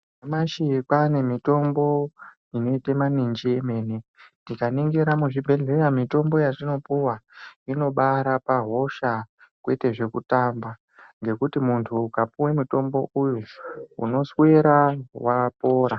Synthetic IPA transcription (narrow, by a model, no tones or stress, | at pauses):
emaʃikane̞mito̞mbo̞ | ino̞itemanind͡ʒieme̞ːnendikaniŋɡeɾamuʐibʱe̞ɮe̞ɾamito̞mbo̞jatino̞puwaino̞ɓaɾapaɦo̞ʃakwe̞te̞ʐe̞kutamba | ŋɡe̞kutimuntʰuːkapuwemito̞mbo̞ʔujuṵno̞swe̞ɾawapo̞ːɾa